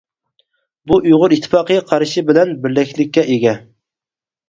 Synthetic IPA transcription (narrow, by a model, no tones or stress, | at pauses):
buʔujʁʊɾit̪ʰːɪ̥fɑːqɨjqʰɑɾʃibɪlɛnbɪɾlɛkʲʰlɪkʲːɛʔeɡʲɛ